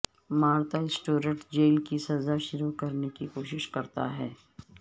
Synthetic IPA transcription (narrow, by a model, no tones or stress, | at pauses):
maːɾt̪aɪsʈuːɾə̃ɳʈd͡ʒeːlkisɐzaʃʊɾukɐɾnekikoːʃɪʃkɐɾt̪a̰ɦɛː